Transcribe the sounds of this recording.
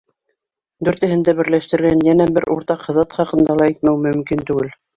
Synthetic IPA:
d̪ʉɾt̪ɘ̆hɘ̆nd̪æbɘ̆ɾlæʃt̪ɘ̆ɾɡænjænæbɘɾʔṵɾt̪ɑqhɤ̆ðɑt̪χɑqɤ̆nd̪ɑlˠɑit̪̚mæwmɵ̆mkint̪ʉɡɘl

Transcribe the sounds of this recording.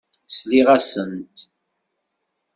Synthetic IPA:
sliʁæsənt̪

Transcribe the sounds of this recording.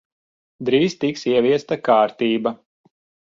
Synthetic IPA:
d̪ɾiːz̥t̪iksiɛvʲiɛst̪akaːɾt̪iːba

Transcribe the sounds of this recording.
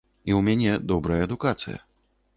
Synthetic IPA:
iwmʲanʲɛd̪ɔbɾɐjɐɛd̪ukat̪sɨ̰jɐ̰

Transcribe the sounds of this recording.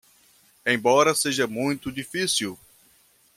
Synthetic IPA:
ẽj̃bɔɾɐseʒɐmũj̃t̪ʊd͡ʒifisiw

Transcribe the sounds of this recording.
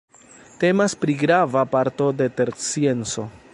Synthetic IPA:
te̞maspɾiɡɾavapaɾto̞de̞te̞ɾt͡sie̞nt͡so̞

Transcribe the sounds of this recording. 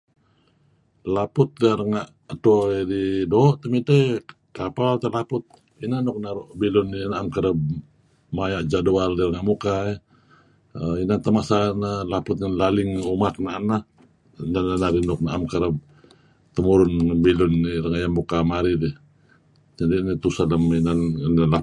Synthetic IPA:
lapʊt̪̚daɾəŋaʔ | t̪oididoʔt̪əmit̪aj | kapalt̪alapʊt̪̚ | inanɔk̚naɾuʔbilʊnːinaʔamkəɾəb̚ | majaʔd͡ʒadualdiɾəŋaʔmukai | əinant̪əmasanalapʊt̪̚ŋanlalɪŋumak̚naʔana | nananaɾinɔk̚naʔamkaɾəb̚ | t̪əmuɾʊnbilʊnːirəŋaʔjanmukamaɾidi | d͡ʒadinit̪usaləminannala

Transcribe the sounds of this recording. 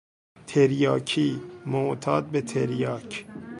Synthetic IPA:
t̪ʰeɾjɒːkʰiːmoʔt̪ʰɒːd̪̚bet̪ʰeɾjɒːcʰ

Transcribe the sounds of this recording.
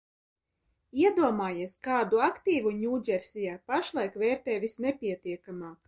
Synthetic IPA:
iɛd̪uɔmaːjiɛskɑːd̪uakt̪iːvuɲʲuːɟʲɛɾsijaːpaʃlˠajkvɛːɾt̪ɛːvʲisnɛpʲiɛt̪iɛkamaːk

